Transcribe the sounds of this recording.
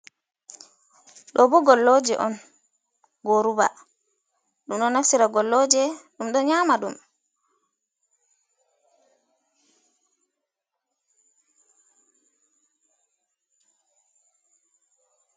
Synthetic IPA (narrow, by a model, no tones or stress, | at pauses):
ɗɔbɔɡɔlːod͡ʒɛ̰ʔɔn | ɡoɾuba̰ | ɗumɗɔnːafsiɾaɡɔlːɔd͡ʒɛɗumɗɔɲamaɗum